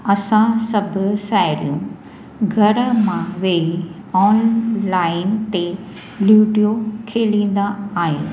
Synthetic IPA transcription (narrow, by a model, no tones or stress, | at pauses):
ɐsãsɐbʱʊ̆saːɪɾijũ | ɡʱɐɾəmãʋeːi | ɔːnlaːɪnt̪e | luːɖijokʰeːlĩːn̆d̪aːɦiṵ̃ː